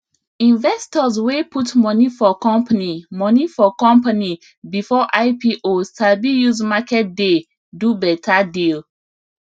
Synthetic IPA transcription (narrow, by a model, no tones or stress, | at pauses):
ĩnvɛstɔzweputmɔnifɔkɔ̃mpanimɔnifɔkɔ̃mpani | bifɔʔaɪpiʔotabijuzmakɛt̚de | dubɛtʰadil